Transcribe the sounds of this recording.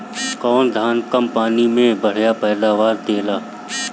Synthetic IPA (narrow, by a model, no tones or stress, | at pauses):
kɔːnd̪ʱaːnkəmpaːnimẽbəɽ̤japɛːd̪aːʋaːɾd̪eːlaː